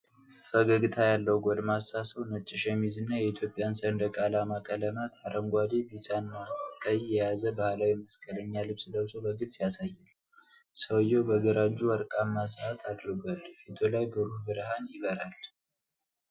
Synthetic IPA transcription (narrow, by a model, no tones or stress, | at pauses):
fəɡəɡɨt̪ʰajalːəwɡʷod̪massasəwnət͡ʃʼːɪʃemizɨnːajɛit̪ʰjo̞pʼɪjansəɨnd̪əkʼalamakʼələmat̪ʰaɾʔəŋɡʷad̪ebisʼanmakʼəjjɛjazəbahlawiməskʼələɲːalɨβsd̪əβsowbəɡɨt̪ʼsijasajːɛl | səwjɛwbəɡəɾad͡ʒːuwəɾkʼamːas̬əat̪ʰad̪ɾɨɡʷalfit̪ʰolajbəɾuhbɨɾhanjɪbəɾal